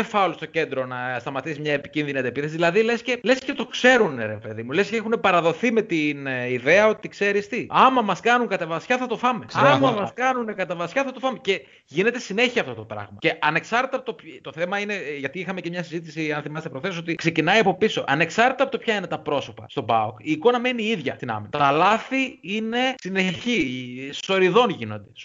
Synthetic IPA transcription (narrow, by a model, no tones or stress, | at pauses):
efɐolost̪o̞ce̞nd̪ɾo̞nɐst̪ɐmɐt̪isimɲɐepi̥cinðiniɐd̪epiθesizðilɐðilesce̞le̞scet̪o̞kse̞ɾuneɾe̞peðimulesceexune̞pɐɾɐðo̞θime̞t̪iniðe̞ɐo̞t̪ikse̞ɾist̪iɐmɐmɐskɐnuŋkɐt̪evɐsçɐθɐt̪o̞fɐme̞ɐmɐmɐsskɐnunekɐt̪evɐsçɐθɐt̪ofɐmece̞ | ʝine̞t̪e̞sine̞çiɐft̪o̞t̪o̞pɾɐ̰ɣmɐ̰ce̞ɐne̞ksɐɾt̪it̪ɐpot̪opt̪o̞θe̞mɐine̞ʝɐt̪iixɐmecemɲɐsizit̪isiɐnθimɐset̪epɾoθe̞s̬o̞t̪ikse̞cinɐiɐpo̞piso̞ʔɐne̞ksɐɾt̪it̪ɐpo̞t̪pçɐine̞t̪ɐpɾo̞so̞pɐ̰st̪o̞bɐ̰okiːko̞nɐme̞niiðʝɐst̪inɐ̰minɐt̪ɐlɐθiine̞sineçiso̞ɾiðo̞nʝino̞nd̪es